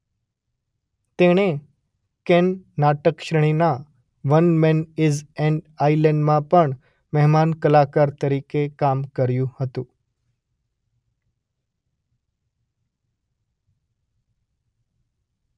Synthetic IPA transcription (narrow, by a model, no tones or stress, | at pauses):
t̪eɽ̃e | kɛnːaʈəkʃɾəɳ̃ina | ʋənmɛnɪzɛ̃ɳɖ | ailɛɳɖmãpəɳ | mɛɦmankəlakaɾt̪əɾikekamkəɾjũhət̪ũ